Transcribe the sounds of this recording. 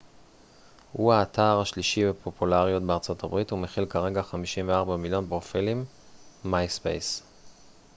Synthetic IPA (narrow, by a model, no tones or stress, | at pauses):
huaːtaʁaʃliʃivepʰo̞pulaʁjo̞tbeaʁt͡so̞tʰabʁithumeχilkaʁe̞ɡaχamiʃimveaʁbamiljo̞npʁofilimː | ajspḛjs